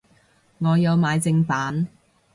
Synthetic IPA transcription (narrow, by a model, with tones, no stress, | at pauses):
ŋɔː˨˧jɐ˨˧wmaː˨˧jt͡sɪ˧ŋpaː˨˥n